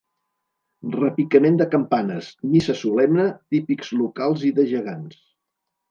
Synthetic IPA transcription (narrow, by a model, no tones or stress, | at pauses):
rəpikəmend̪əkəmpanəsmisəsulɛmnət̪ipikz̥lukalˠziðəʒəɣ̞ans